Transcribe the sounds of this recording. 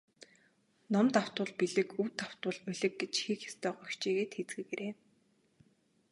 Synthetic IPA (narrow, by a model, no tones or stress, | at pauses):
nɔmt̪aw̥t̪ʊ̆ːɮpiɮɘ̆kuwt̪aw̥t̪ʊ̆ɮɵɮɘ̆kɡet͡ɕxikjḁst̪ʰœːɢœxt͡ɕeːɣeːt̪xet͡sɡɘ̆ɣeɾʔeː